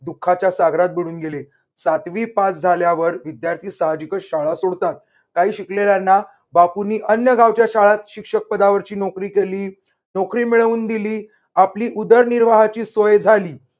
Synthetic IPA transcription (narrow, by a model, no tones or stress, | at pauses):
d̪ukʰːat͡ɕjasaɡʱɾat̪̚biɽuːnɡele | sat̪ʋiːpat͡sd͡zʱaljaʋəɾʋid̪jaɾt̪ʰiːsaɦad͡ʑikəɕaɭasoɽt̪at̪̚ | kaɦiːɕikleljanːa | bapuniːʔənjəɡʱaʋt͡ɕjaɕaɭat̪ɕikʂək̚pəd̪aʋəɾt͡ɕiːnokɾiːkeliː | nokɾiːmiɭəʋuːnd̪iliː | apliːʔud̪əɾniɾʋaɦat͡ɕiːsojd͡zʱaliː